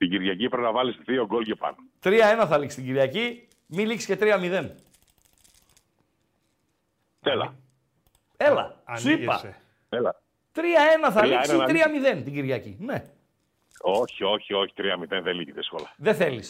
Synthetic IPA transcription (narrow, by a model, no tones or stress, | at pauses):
t̪iɟiɾʝɐcipɾepnɐvɐlist̪ɾioɡolcepɐ̰not̪ɾiɐe̞nɐθɐliksst̪ɲɟiɾʝɐci | miliksce̞t̪ɾiɐmiðe̞n | t̪elɐ̰ | e̞lɐ̰suipɐ̰ | elɐ | t̪ɾiɐe̞nɐθɐlist̪ɾiɐmiðe̞nt̪iɟiɾʝɐcḭne̞ | o̞çio̞çio̞çi̥t̪ɾiɐmiðenðeliçiðiskolɐðeθelis